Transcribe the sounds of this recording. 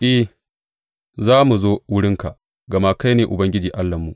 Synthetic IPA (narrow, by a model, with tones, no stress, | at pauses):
ʔɪ˦h | zaː˦mu˨zoː˦wʊ˦ɽɪ˦ŋka˨ʔ | ɡɐ˨maː˦ka˦jneː˨ʔʊ˨bɐ˦ŋɡʲɪ˦d͡ʒiː˨ʔa˦lːɐ˨mːu˨ʔ